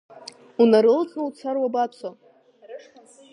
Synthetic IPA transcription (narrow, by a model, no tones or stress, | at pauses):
unaɾɨlt͡sʼnowt͡sʰarwabat͡sʷʰa